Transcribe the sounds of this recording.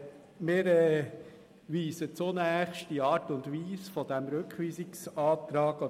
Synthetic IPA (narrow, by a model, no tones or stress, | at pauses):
mɪːɾɛː | ʋiːsət͡sonæːχʃdiɑːɾtʊndʋiːsfɔd̥æmɾʉkχʋiːsɪksɑːt̪ɾɑːɡ̥ɔ